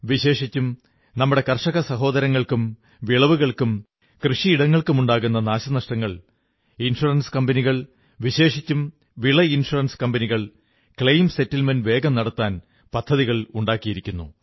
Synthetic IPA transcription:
ʋiɕe̞ːʂit͡ɕːum | nɐmːuɽe̞kɐrʂɐɣɐsɐɦo̞ːd̪ɐɾɐŋːɐɭkum | ʋiɭɐʋuɣɐɭkum | krɨʂiiɽɐŋːɐɭkumuɳɖaːɣunːɐnaːɕɐnɐʂʈɐŋːɐɭ | inʂurɐnskɐmbɐniɣɐɭ | ʋiɕe̞ːʂit͡ɕːum | ʋiɭɐinʂurɐnskɐmbɐniɣɐɭ | kɭejmse̞tːilmɐnʋe̞ːɡɐmnɐɽɐt̪ːaːn | pɐd̪ʰʱːɐðiɣɐɭuɳɖaːkːijiɾikʲːunːṵ

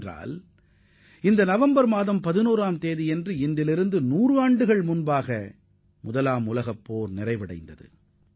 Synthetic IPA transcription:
ra̰ːl | ɪnd̪ɐnɐʋɐmbɐɾmaːðɐmpɐðɪnuːɾaːmt̪eːðijɛndrɯɪnd̪ɪlɪɾɯnd̪ɯnuːrɯaːɳɖɯɣɐɭmʊnbaːɣɐ | mʊðɐlaːmʊlɐɣɐpːoːɾnɪrɐɪʋɪɽɐ̰ɪnd̪ɐðɯ̰

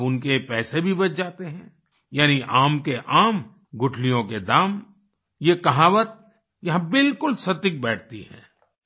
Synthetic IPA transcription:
bʊnkepɛːsebʱibɐt͡ʃd͡ʒaːt̪eɦɛ̃ː | jaːniʔaːmkeʔaːm | ɡʊʈʰlijõked̪aːm | jekɐɦaːʋət̪̚ | jɐɦãbɪlkʊlsɐt̪ɪk̚bɛːʈ̚ʰt̪ḭɦɛ̰̃ː

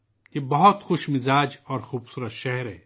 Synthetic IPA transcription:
jebɐɦʊt̪xʊʃmɪzaːd͡ʒɔːɾxuːbsuːɾət̪ʃɛɦɛɾɦɛ̰ː

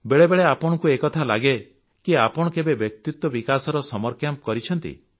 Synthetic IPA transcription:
beɭebeɭeapɔɽ̃ɔkuekɔt̪ʰala̰ɡe | kiapɔɽ̃ɔkebebjɔk̚t̪it̪wɔbikasɔɾɔsɔmɔɾkʰjamp̚kɔɾit͡ʃʰɔnt̪ḭ

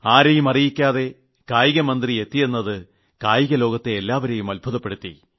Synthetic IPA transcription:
aːɾejumɐrijikʲːaːðe̞ | kaːjiɣɐmɐnd̪rie̞t̪ːije̞nːɐðɨ | kaːjiɣɐlo̞ːɣɐt̪ːe̞ːlːaːʋɐɾejumɐlbʱuðɐpːe̞ɽut̪ːḭ

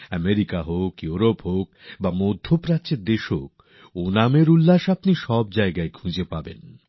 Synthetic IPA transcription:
ɛmeɾikaɦokjuɾopɦok̚bamod̪ʱːopɾat͡ɕeɾd̪eʃɦok̚ | onameɾulːaʃapniʃɔb̚d͡ʑaeɡaekʰũd͡ʑepabḛn

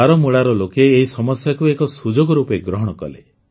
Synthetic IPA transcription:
aɾɔmuɭaɾɔlokeːɦisɔmɔsjakuekɔsud͡ʒoɡɔɾupeɡɾɔɦɔɽ̃ɔkɔ̰le

